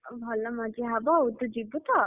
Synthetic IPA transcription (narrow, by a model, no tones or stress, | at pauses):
bʱɔlɔmɔd͡ʒiɦabɔud̪ud͡ʒibut̪ɔ